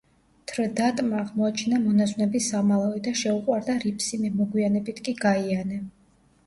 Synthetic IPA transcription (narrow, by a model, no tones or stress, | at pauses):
t̪ʰɾd̪at̪ʼmaːʁmɔat͡ʃʰɛnamɔnaznɛbisamalˠaɛd̪aʃɛuqʼwaɾd̪aɾipʰsimɛmɔɡwianɛbit̪ʰkʼiɡaianɛ